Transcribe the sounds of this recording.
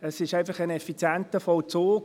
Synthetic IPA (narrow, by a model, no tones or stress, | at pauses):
əsɪʃæɪfɑχənɛfit͡sjɛntəfɔlt͡soː